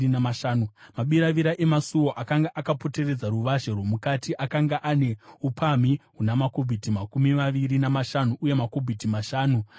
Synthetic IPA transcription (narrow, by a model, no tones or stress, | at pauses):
inamaʃaːnumaɓiɾaʋiɾaʔemasuwo̞ʔakaŋɡaʔakapo̞te̞re̞d͡zaɾuʋaʒerwomukatiʔakaŋɡaʔane̞upʰamiɦunamakobʱitimakumimaʋiɾinamaʃanuʔuje̞mako̞bʱitimaʃaːnu